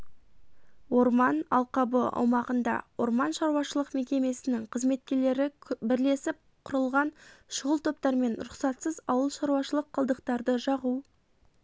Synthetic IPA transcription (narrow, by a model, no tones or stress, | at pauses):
wo̞ɾmɑnɑ̰lˠqɑbəɑ̰wmɑʁənd̪ɑ̰wo̞ɾmɑnʃɑɾuɑʃəlˠəqme̞kʲe̞me̞sɪnɪŋqʰəzme̞t̪̚kʲe̞ɾle̞ɾɪbɪɾle̞sɪp̚ | qʰʊɾəlˠʁɑnʃʊʁəlˠt̪ʰo̞p̚t̪ɑɾme̞nɾʊqsɑt̪səzɑwəlˠʃɑɾuwɑʃəlˠəqʰːɑlˠd̪əqt̪ɑɾd̪əʒɑʁu